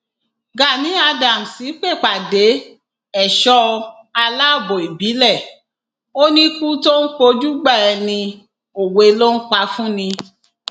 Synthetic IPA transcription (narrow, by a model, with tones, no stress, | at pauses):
ɡa˨nĩ˨˦a˧da˨m̩˨si˨˦k͡pe˦˨k͡pa˨de˨˦ | ɛ˨ʃɔ˧˦ | a˧la˦˨bo˨i˨bi˨˦lɛ˦˨ | o˦nĩ˦ku˦to˦n̩˦k͡po˧d͡ʒu˦ɡ͡ba˦˨ɛ˧nĩ˧ | o˨we˨˧lo˦n̩˦k͡pa˧fũ˦nĩ˧